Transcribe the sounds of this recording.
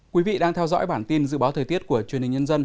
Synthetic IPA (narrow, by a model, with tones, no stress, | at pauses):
kwi˨˦vḭ˧˨ɗaː˧ŋt̪ʰɛ˧wzɔ̰˧˥jɓaː˧˩nt̪i˧nzɨ̰˧˨ɓaː˨˦wt̪ʰəː˨˩t̪i˦˥ət̚ku˧˩ət͡ɕwənhi˨˩ɲə˧nzə˧n